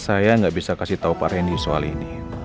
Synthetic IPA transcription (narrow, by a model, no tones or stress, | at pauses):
sajaŋɡaʔbisakasiht̪aupa̰ɾɛndisoa̰lini